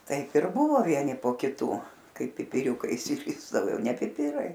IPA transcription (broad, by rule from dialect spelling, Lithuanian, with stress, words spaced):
ˈtɐɪp ɪr ˈbʊʋoː ˈʋʲiɛnʲɪ poː kʲɪˈtuː ˈkɐɪ pʲɪpʲɪˈrʲuːkɐɪ ɪʃʲsʲɪˈrʲɪzdɐʋoː ˈjɛʊ nʲɛ pʲɪˈpʲɪrɐɪ